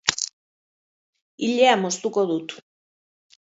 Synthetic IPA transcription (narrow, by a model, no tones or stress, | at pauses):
iʎɛamɔst̪ukʼɔd̪ut̪ʰu̥